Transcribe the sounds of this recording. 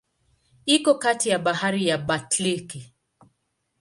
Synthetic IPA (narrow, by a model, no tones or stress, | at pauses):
ikɔkatijaɓaɦaɾijaɓatliki